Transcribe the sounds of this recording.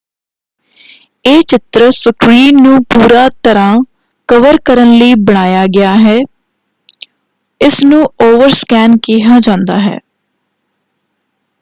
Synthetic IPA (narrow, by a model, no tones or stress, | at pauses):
eːt͡ʃɪt̪ɾəsəkɾiːnːũːpuːɾaːt̪əɾãː | kəʋəɾkəɾənləiːbəɽ̃aːjaːɡɪaːɦɛː | ɪsnũːoːʋəɾskɛːnkiːɦaːd͡ʒãːnd̪aːɦɛ̰ː